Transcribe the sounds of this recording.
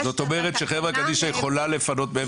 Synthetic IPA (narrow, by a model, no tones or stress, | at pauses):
zo̞t̪o̞meʁet̪ʃeχevakad̪iʃaje̞χo̞lale̞fano̞t̪̚bee